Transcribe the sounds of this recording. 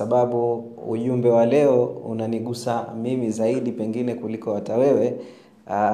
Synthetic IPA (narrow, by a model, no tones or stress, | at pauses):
aɓaɓu | ṵʄumbɛwalɛɔṵnaniɠusamimizaiɗipɛŋɡinɛkulikɔwatawɛwɛ